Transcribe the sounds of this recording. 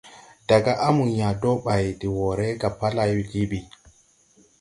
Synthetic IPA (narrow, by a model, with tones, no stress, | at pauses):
d̥a˨ɡa˦ʔa˦mu˨nja˨dɔ˦ɓa˨ji˨di˨wɔ˨ɾɛ˦ɡa˨pːa˦la˨˦wi˨ɡi˦ɓi˨